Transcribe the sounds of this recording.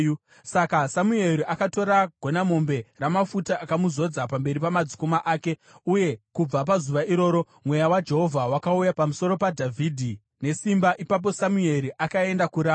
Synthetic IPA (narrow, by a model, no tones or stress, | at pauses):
sakasamue̞ɾiʔakato̞ɾaɡʱo̞namo̞mbe̞ramafutaʔakamuzo̞d͡zapambe̞ɾipamad͡zi̥komaʔaːke̞ | uje̞kub͡vapazuʋaiɾo̞ːɾo̞ | mwe̞jawad͡ʒe̞ɦo̞vʱawakaujapamuso̞ɾo̞padʱavʱidʱi | ne̞simbaʔipap̬o̞samue̞ɾiʔakae̞ndakuɾaː